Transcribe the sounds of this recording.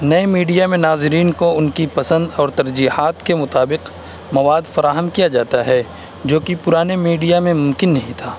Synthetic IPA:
nɐemiːɖijamẽnaːzɪɾiːnkoʊnkipɐsə̃nd̪ɔːɾt̪ɐɾd͡ʒiːhaːt̪kemʊt̪aːbɪq | mɐʋaːd̪fɐɾaːɦəmkijad͡ʒaːt̪aɦɛ | d͡ʒoːkipʊɾaːnemiːɖijamẽmʊ̃mkɪnːɐɦĩt̪ʰaː

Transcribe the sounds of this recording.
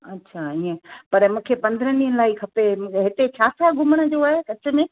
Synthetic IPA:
ɐtːɕʰaiə̃pɐɾmũːkʰepɐ̃nd̪əɾəniːənɪ̆laːikʰɐpeɦɪt̪et͡ɕʰaːsaɡʱʊməɽ̃ə̆d͡ʑoaːɦekɐt͡ɕʰə̆mẽ

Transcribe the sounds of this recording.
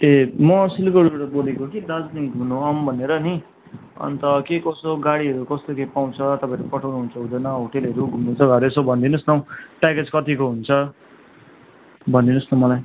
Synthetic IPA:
emʌsilkʌɾuɾʌbolekokid̪ʌd͡zniɡʱunoʌmbʱʌneɾʌni | ʌ̰nt̪ʌkekʌsoɡaɽiɦʌɾukʌst̪okepaw̃t͡sʰʌt̪ʌpãʌɾupʌʈʰawnuɦunt͡sʰʌɦũd̪ʌjnʌɦoʈelɦʌɾuɡʱumnut͡sʰʌɡʱʌɾesobʱʌnd̪inʌsnʌw̃ʈaked͡zkʌt̪ikoɦunt͡sʰʌ | bʱʌnd̪inʌsnʌmʌlaj

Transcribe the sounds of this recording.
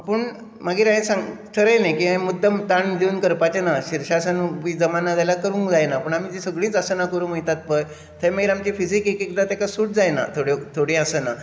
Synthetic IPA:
apəɳ | maɡiːɾaĩsãŋɡt̪ʰəɾəjnajkiɦə̃mud̪ʱːəmt̪aɳd̪iuːnkəɾpat͡ɕenaɕiɾɕasənuʋid͡zəmanad͡zalakəɾũːŋkd͡zajnapəɳam̤iːt̪isəɡɭĩːt͡səsənakəɾũːməit̪at̪̚pəj | t̪ʰəjməɡiːɾamt͡ɕifisikekikd̪at̪ekasuːʈ̚d͡zajna̰t̪ʰoɽet̪ʰoɽĩəsəna

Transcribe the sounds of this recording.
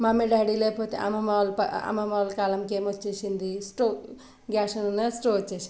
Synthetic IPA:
mameɖaɽilepʰot̪a̰mɐmalpɐɐ̰mɐmawlkaːlɐmkemot͡ʃːiʃind̪isʈo | ɡʲaːsɐnnɐsʈot͡ʃːeʃ

